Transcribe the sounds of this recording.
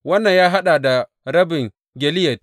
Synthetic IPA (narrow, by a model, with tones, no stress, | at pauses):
wɐ˦nːɐ˨ɲjaː˦ɦa˦ɗaː˨da˨ | ɾɐ˦bɪ˨ŋ | ɡʲɛ˨lɪ˦jɛ˨t̚